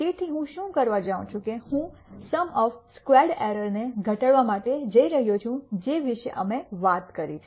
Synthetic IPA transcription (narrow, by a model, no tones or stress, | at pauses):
t̪et̪ʰiɦũʃũkəɾʋad͡ʒaʋũt͡ʃʰũkehũsəmɔfskʋɛɾɖɛɾəɾneɡʱəʈəɭʋamaʈed͡ʒəiɾəɦjot͡ʃʰũd͡ʒeʋiʃḛʔəmeʋat̪kəɾit͡ʃʰ